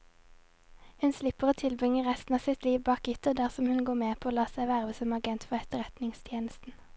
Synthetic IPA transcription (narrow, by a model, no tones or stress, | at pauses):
hʉnslɪpəʁoːt̪ʰɪlbʁɪŋəʁɛst̪n̩ɑːʋsɪt̪liːʋbɑːkʏt̪əd̪æʁsɔmhʉnɡoːmeːpʰooːlɑːsæɪʋæʁʋəsɔmɑɡɛnt̪fɔʁɛt̪əʁɛt̪nɪŋst̪ʰjeːnəst̪n̩